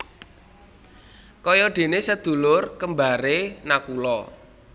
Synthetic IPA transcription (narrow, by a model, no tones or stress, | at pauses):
kɔjɔɖ̪̥e̤nesəd̪̥ṳlʊrkəmbaɾenakulɔ